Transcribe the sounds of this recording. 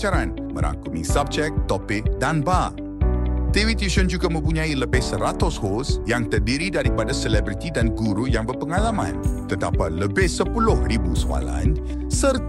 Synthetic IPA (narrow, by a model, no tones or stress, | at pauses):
t͡ʃaɾan | mə̰ɾʔa̰ŋkumḭsab̚t͡ʃɛk̚t̪ɔpɪk̚danba | t̪iwit̪uʃənd͡ʒuɡamə̃mpuɲãiləbɪhsəɾat̪ʊshosjaŋt̪ərdiɾidaɾipadasəlɛbɾit̪idanɡuɾujaŋbərpəŋalamã̰nt̪ərda̰pat̪̚ləbɪhsəpulʊhribusəwa̰la̰n | sərt̪